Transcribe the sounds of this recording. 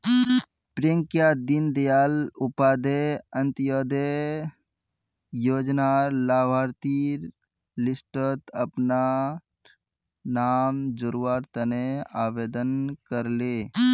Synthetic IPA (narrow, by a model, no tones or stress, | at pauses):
pɾeŋkjad̪ind̪ejaːlʊpaːd̪eə̃nt̪jod̪e | joːd͡ʒnalaːbʱaːɾt̪iɾ | lɪsʈət̪əpna | naːmd͡ʒoɾuʋaːɾt̪əneaːʋeːd̪ənkəɾleː